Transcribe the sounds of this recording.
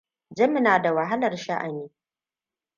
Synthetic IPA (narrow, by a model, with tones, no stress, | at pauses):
d͡ʒɐ˦mɪ˦naː˨da˨wa˨ɦa˦lɐ˨rʃa˦ʔa˨miː˦